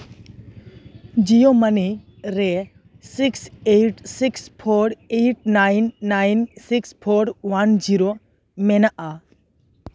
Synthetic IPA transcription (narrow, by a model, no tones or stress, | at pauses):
d͡ʒijoməni | ɾɛ | sikseʈsikspʰoɾeʈ̚najnːajnsikspʰoɾwand͡ʒiɾo | mɛnaʔa